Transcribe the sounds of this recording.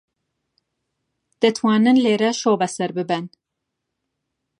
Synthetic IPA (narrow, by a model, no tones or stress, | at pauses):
d̪̥ɛt̪ʰwɑːnɨnleːɾɛʃoːbɛsɛɾbɨbɛn